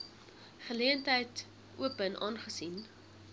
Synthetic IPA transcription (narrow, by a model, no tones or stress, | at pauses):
χəliəntɦəjt | ṵəpənʔɑːnχəsin